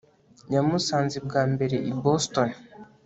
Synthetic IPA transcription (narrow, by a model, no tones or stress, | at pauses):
ɲamusaːnzib̚ɡaːmbe̞ɾe̞ʔiboston